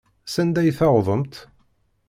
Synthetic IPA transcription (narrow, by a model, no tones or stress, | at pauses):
sænd̪æjθɑwðˤəmt̪